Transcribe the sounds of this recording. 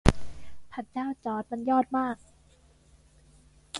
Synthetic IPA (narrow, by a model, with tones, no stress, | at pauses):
pʰa˨˩t̪̚t͡ɕaː˥˩wt͡ɕɔː˩˦t̪̚ma˧njɔː˥˩t̪̚maː˥˩k̚